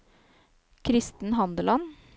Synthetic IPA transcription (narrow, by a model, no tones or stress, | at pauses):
kʰɾɪst̪n̩ɦɑnd̪əlɑn